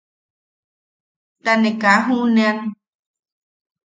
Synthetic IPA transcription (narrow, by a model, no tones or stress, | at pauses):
t̪anẽkaɦũnẽãn